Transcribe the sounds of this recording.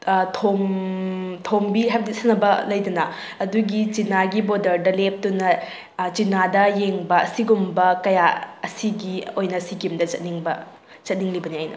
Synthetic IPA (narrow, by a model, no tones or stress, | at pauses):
tʰom | tʰombiɦab̚ditsʰɐtnɐbɐlɐjdunɐ | ɐduɡit͡ʃinaɡibodɐɾdɐlep̚tunɐ | t͡ʃinadɐjeŋbɐɐsiɡumbɐkɐjaɐsiɡiojnɐsikimdɐt͡ʃɐt̚niŋbɐ̰ | t͡ʃɐt̚niŋlibɐniajnɐ̰